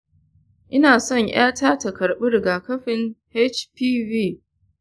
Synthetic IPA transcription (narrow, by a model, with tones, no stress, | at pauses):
ʔɪ˦naː˨sɔ˦˨ɲj̰aː˦tʰaː˦tɐ˨kɐ˨ɽɓɪ˦ɾɡaː˨kɐ˦ɸɪ˨ŋhɛ˦t͡ʃpiː˦viː˦˨